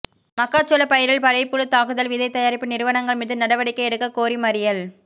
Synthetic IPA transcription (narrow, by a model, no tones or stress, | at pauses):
mɐkːaːt͡ʃːɔlɐpɐjɪɾɪlpɐɻɐɪpːɯɭɯt̪ːaːkɯðɐlʋɪðɐɪt̪ːɐjaːɾɪpːɯnɪɾɯʋɐnɐŋɡɐɭmɪðɯnɐɽɐʋɐɽɪkːɐɛɾɯkːɐkoːɾimɐɾɪjɐl